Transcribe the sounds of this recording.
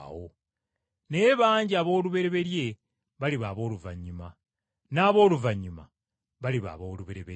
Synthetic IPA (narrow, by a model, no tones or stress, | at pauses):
wo | neβaːɲɟiaβo̞ːluβe̞ɾe̞βe̞lje̞ | βaliβaːβo̞ːluvaɲːuma | naːβo̞ːluvaɲːuma̰ | βaliβa̰βoːluβe̞ɾeβe